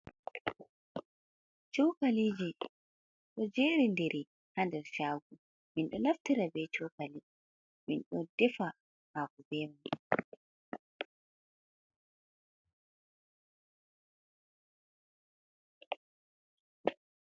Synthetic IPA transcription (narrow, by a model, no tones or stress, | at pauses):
t͡ʃɔwkaliːd͡ʒi | ɗɔd͡ʒeːɾindɛɾʔi | handɛɾʃaːɡu | minɗɔnaftiɾabɛt͡ʃɔkali | minɗɔd̥ɛfa | haːkɔbɛmam